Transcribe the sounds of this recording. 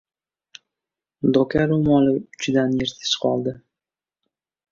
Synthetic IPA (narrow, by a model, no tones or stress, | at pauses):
d̪okʲaɾomɒlɪʊt͡ʃd̪anjeɾt̪ʰɪ̥sqɒlˠd̪ɪ